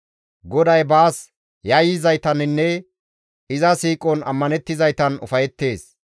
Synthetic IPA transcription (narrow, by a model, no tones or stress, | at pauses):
ɡɔd̪ɐjbaːs | jɐjɪzɐjt̪ɐnɪnːɛ | ɪzɐsiːkʼɔnɐ̰mːɐnɛt̪ːɪzɐjt̪ɐnʊ̰fɐjɛt̪ːe̞ːs